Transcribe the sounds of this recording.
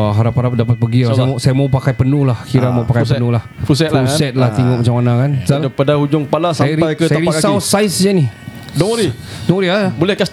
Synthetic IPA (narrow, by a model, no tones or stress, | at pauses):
aɦaɾapaɾap̚dapat̪̚pəɡiasajamawpakajpənuhlahkiɾamawpakajjpənulahfusɛt̪̚ausɛt̪̚laht̪iŋʊʔ̚mat͡ʃamːanakanapadahud͡ʒʊŋpalasaajɾajkətsajəaɾikasawsaɪsd͡ʒani | dɔŋɾidɔŋɾiabolɛhkas